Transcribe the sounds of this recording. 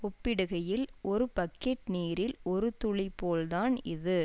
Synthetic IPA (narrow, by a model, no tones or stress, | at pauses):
ɔpːɪɽɯɣɐjɪlʔɔɾɯpɐkːeːʈniːɾɪlɔɾɯt̪ʊɭɪpːoːlðaːnɪðɯ